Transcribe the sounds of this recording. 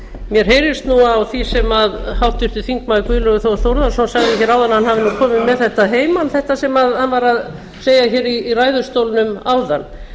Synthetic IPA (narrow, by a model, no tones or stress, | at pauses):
mjɛɾ̥ɦeːjɾɪst̪nuawθisɛmaðhawht̪ɪɾ̥t̪ʏθiŋkmaːðɪkviːlœɣʏθowθowɾðasɔnsaɣðɪçɛːɾaːwðanːahanhavɪnukʰɔːmɪmɛðθɛht̪aɦeːjmanθɛht̪asɛmaðhanvaɾað | seːjaçɛːɾiːraːjðʏ̥st̪owlnʏmaːwðanː